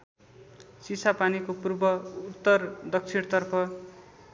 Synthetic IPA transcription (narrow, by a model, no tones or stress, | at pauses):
sisʰapanikopurbʌut̪ːʌrd̪ʌk̚t͡sʰiɽt̪ʌrpʰʌ